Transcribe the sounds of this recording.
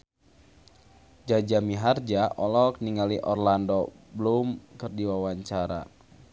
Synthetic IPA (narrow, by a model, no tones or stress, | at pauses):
d͡ʒad͡ʒamiɦard͡ʒaʔɔlɔkniŋaliʔɔrlandɔblumkɨrdiwawaɲt͡ʃaɾa̰